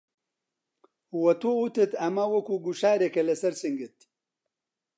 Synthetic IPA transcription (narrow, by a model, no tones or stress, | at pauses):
uwɐt̪uut̪ɨt̪ɐmɐwɐkuːɡuʃaːɾekɐlɐsɐɾsɨŋɡɨt̪̚